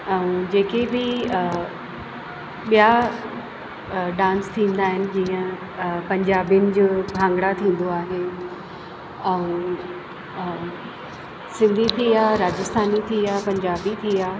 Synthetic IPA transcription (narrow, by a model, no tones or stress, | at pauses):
ɛ̃ũd͡ʑeːkebɪ | ɓija | ɖãːnst̪ʰĩːnd̪aːɦɪnɪ̆d͡ʑĩːə̃ | pɐ̃ɲd͡ʑaːbijənɪ̆d͡ʑoːbʱãːŋɡɽat̪ʰĩːn̆d̪oaːɦe | ɛ̃ũ | sɪ̃nd̪ʱit̪ʰiaːɾaːd͡ʑɪst̪ʰaːnit̪ʰiaːpɐ̃ɲd͡ʑaːbit̪ʰiaː